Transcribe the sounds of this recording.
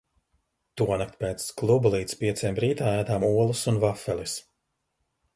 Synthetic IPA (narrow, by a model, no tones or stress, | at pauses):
t̪uɔnak̚t̪̚peːt̪sklˠublˠiːt̪spiɛt̪semɾiːt̪aːæːd̪aːmuɔlˠusunvafɛlˠis